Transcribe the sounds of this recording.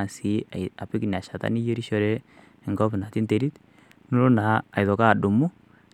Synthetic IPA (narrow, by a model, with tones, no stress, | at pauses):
a˨si˨a˨a˨pɪ˦kni˨a˨ʃa˨ta̰˦ni˦je˦ɾi˦ʃɔ˦ɾe˦ | ɪ˨ŋɡɔ˦pna˨ti˦nte˨ɾi˦t | no˦lo˦naː˨jðɔ˨ka˦˨du˨mʊ˦